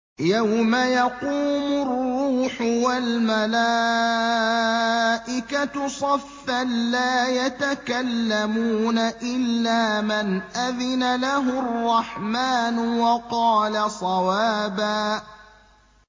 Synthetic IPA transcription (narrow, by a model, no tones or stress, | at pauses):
jawmajɑquːmʊrːuːħʊwalmalaː | ʔɪkat̪ʊsˤɑfːanlaːjat̪akalːamuːnaʔɪlːaːmanʔaðɪnalaɦʊrˤːɑħmaːnʊwɑqɑːlasˤɑwaːbaː